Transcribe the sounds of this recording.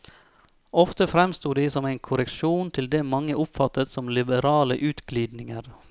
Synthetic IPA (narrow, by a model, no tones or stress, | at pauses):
ɔft̪əfɾɛmst̪uːd̪iːsɔmæɪnkʰʊɾəkʃuːnt̪ʰɪld̪eːmɑŋːəʔʊpfɑt̪ːət̪sɔmlɪbəɾɑːləʔʉːt̪ɡliːd̪nɪŋəɾ